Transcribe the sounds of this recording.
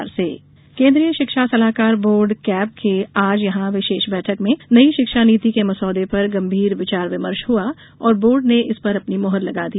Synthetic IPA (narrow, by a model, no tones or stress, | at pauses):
ɾsḛː | kẽːnd̪ɾijəʃɪkʃasɐlaːkaːɾboːɾɖkɛːb̚kʰeaːd͡ʒjɐɦãʋɪʃeːʃbɛːʈʰəkmẽnɐiʃɪkʃaniːt̪ikemɐsɔːd̪epɐɾɡɐ̃mbʱiːɾʋɪt͡ʃaːɾʋɪməɾʃɦua | ɔːɾboːɾɖneʔɪspɐɾɐpnimɔɦəɾlɐɡad̪i